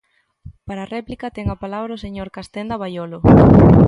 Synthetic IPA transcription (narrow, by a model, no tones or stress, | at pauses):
paɾaːrɛplikɐt̪ɛŋɐpalaβɾɐoseɲoɾkast̪ɛnd̪ɐβajolʊ